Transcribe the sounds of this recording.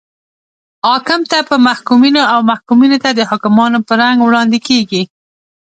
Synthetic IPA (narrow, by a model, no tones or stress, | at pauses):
hɑkɪmt̪apəmahkuminoawmahkuminot̪ad̪əɦʊkɪmɑnopəɾaŋɡwɽɑnd̪ɪkeɡi